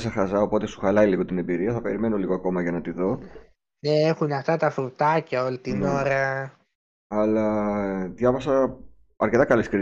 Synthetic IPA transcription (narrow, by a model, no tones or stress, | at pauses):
sɐxɐzɐo̞po̞t̪e̞su̥xɐlɐiliɣo̞t̪ine̞biɾiɐθɐpe̞ɾime̞no̞liɣoɐko̞mɐʝɐnɐt̪iðo̞ | neexunɐft̪ɐt̪ɐfɾut̪ɐcɐo̞lit̪ino̞ɾɐ | ɐlɐðʝɐvɐsɐ | ɐɾce̞t̪ɐkɐleskɾi